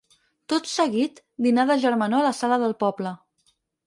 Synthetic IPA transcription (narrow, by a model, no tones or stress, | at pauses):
t̪ot̪səɣit̪ | d̪inaðəʒəɾmənoələsaləðəlˠpɔblə